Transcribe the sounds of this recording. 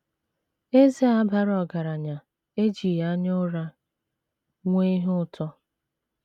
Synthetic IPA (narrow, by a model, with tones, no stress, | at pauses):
e˦ze˦a˦ba˦ɾɔ˨ɡa˨ɾa˨ɲa˨ | e˦d͡ʒi˨ja˦ɲʊ˦ɾa˦ | ŋʷe˦i˦ɦʊ˦tʰɔ˦